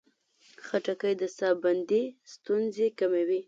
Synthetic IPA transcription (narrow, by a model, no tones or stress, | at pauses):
xaʈakəjd̪əsɑband̪ist̪unzekamewi